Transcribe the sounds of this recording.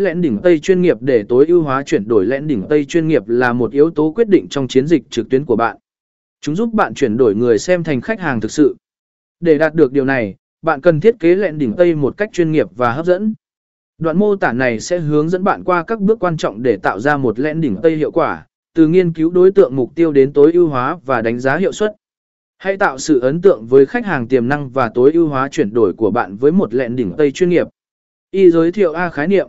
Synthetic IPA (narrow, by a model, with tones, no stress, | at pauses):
lɛ̰˧˥nɗï˧˩ŋt̪ə˧jt͡ɕwi˧nŋi˨˩əp̚ɗe˧˩t̪o˨˦jʔi˧əwɦwaː˨˦t͡ɕwi˧˩ənɗo˧˩jlɛ̰˧˥nɗï˧˩ŋt̪ə˧jt͡ɕwi˧ənŋi˨˩əp̚laː˨˩mo˨˩t̚ʔi˨˦əwt̪o˨˦kwi˦˥t̚ɗḭ̈˧˨ŋ̟t͡ɕɔ˧wŋ͡mt͡ɕi˨˦ənzi˨˩k̚t͡ɕɨ˨˩k̚t̪wi˨˦nku˧˩əɓa̰ː˧˨nʔ | t͡ɕʊ˨˦ŋ͡mzu˦˥p̚ɓa̰ː˧˨nt͡ɕwi˧˩ənɗo˧˩jŋɨ˨˩əjsɛ˧mt̪ʰjŋ̟xa˦˥k̟̚haː˨˩ŋt̪ʰɨ˨˩k̚sɨ̰˧˨ | ɗe˧˩ɗaː˨˩t̚ɗɨ˨˩ək̚ɗi˨˩əwna˨˩j | ɓa̰ː˧˨nkə˨˩nt̪ʰi˦˥ət̚ke˨˦lɛ̰˧˨nɗï˧˩ŋt̪ə˧jmo˨˩t̚ka˦˥k̚t͡ɕwi˧nŋi˨˩əp̚vaː˨˩əː˦˥p̚zə̰˧˥n | ɗwa̰˧˨nmo˧t̪aː˧˩na˨˩jsɛ̰˧˥ɦɨ˨˦əŋzə̰˧˥nɓa̰ː˧˨nkwaː˧kaː˦˥k̚ɓɨ˦˥əkːwaː˧nt͡ɕɔ̰˧˨wŋ͡mɗe˧˩t̪a̰ː˧˨wzaː˧mo˨˩t̚lɛ̰˧˨nɗï˧˩ŋt̪ə˧jhḭ˧˨əwkwaː˧˩ | t̪ɨ̰˨˩ŋi˧ənki˨˦wɗo˨˦jt̪ɨ̰˧˨əŋmʊ˨˩k͡p̚t̪i˧əwɗe˨˦nt̪o˨˦jʔi˧əwɦwaː˨˦vaː˨˩ɗa˨˦jŋ̟zaː˨˦ɦḭ˧˨əwswə˦˥t̚ | ha˧jt̪a̰ː˧˨wsɨ̰˧˨ʔə˨˦nt̪ɨ̰˧˨əŋvəː˨˦jxa˦˥jk̚haː˨˩ŋt̪i˨˩əmna˧ŋvaː˨˩t̪o˨˦jʔi˧əwɦwaː˨˦t͡ɕwi˧˩ənɗo˧˩jku˧˩əɓa̰ː˧˨nvəː˨˦jmo˨˩t̚lɛ̰˧˨nɗï˧˩ŋ̟t̪ə˧jt͡ɕwi˧nŋi˨˩əp̚ | ʔi˧zəː˨˦jt̪ʰḭ˧˨əwʔaː˧xaː˨˦jnḭ˧˨əm